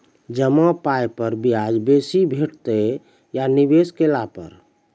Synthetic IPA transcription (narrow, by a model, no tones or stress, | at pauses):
d͡ʒəmapajpəɾbiad͡ʒbesibʱeʈt̪e | janibeskelapə̰ɾ